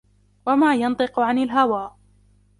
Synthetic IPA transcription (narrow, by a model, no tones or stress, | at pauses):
wamaːjɑnt̪ˤɨqʊʕanɪlɦawaːʔ